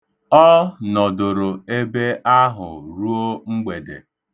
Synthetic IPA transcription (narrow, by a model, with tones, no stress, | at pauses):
ɔ˦nɔ˨dʊ˨ɾʊ˨e˦be˦ʔa˦ɦʊ̰˨ɾu˦o˦ŋ͡m̩˦ɡ͡be˨dḛ˨